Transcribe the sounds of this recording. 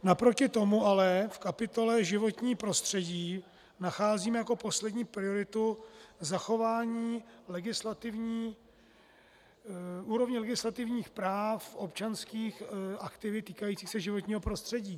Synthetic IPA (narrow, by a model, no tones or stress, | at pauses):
napɾo̞cɪt̪o̞muʔalɛfkapɪt̪o̞lɛʒɪvo̞t̪ɲiːpɾo̞st̪r̝̥ɛɟiː | naxaːziːmɛjako̞po̞slɛdɲiːpɾɪoɾɪt̪uzaxovaːɲiːlɛɡɪslat̪ɪvɲiː | uːɾo̞vɲɪlɛɡɪslat̪ɪvɲiːxpɾaːfʔo̞pt͡ʃanskiːxʔakt̪ɪvɪt̪iːkajiːt͡siːxsɛʒɪvo̞t̪ɲiːɦo̞pɾo̞st̪r̥ɛɟiː